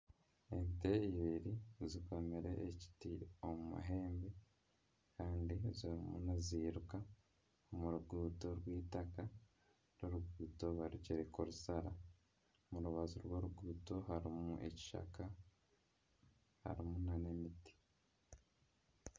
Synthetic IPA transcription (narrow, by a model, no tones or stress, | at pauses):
emiteiβiɾiziko̞meɾe̞̰ʔːci̥tiomumṵɦe̞ːmbe̞ | kaːndiziɾimunaziːɾuka | omuɾuɡuːto̞ɾwiːtaka | ɾoɾuɡuːto̞βaɾuceɾekoɾusaɾa | muɾuβaziɾwoɾuɡuːto̞ɦaɾimuʔe̞̰ci̥ʃa̰ka | ha̰ɾimunanemiti̥